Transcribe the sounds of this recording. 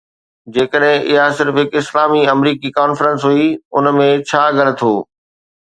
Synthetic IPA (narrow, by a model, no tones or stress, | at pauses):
d͡ʑeːkəɗɦɪ̃ɪɦasɪɾfɦɪkɪslaːmiɐmɾiːkikaːnfɾə̃nsɦuiʊnmẽt͡ɕʰaːɡɐñə̆t̪ʰoː